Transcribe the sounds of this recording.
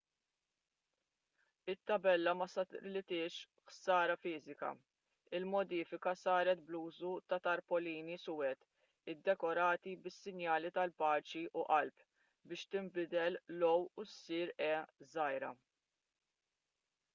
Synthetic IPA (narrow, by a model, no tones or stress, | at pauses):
ɪt̪ːɐbɛlːɐmɐsɐlɪt̪ɪːʃ | xsɐːɾɐfɪːzɪkɐ̰ | ɪlmɔd̪iːfɪkɐsɐːɾɛt̪̚bluːzut̪ɐt̪ɐɾpɔliːnisʊːwɛt̪ | ɪd̪ːɛkɔɾɐːt̪ibɪsːɪnjɐːlit̪ɐlpɐːt͡ʃiʔuʔɐlp | bɪːʃt̪ɪmbɪd̪ɛllɔwusːiːɾɛːzɐjɾɐ